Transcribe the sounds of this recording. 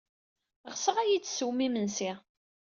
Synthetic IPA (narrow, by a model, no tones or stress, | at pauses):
ʁsəʁæjit͡sːsuwmimənsi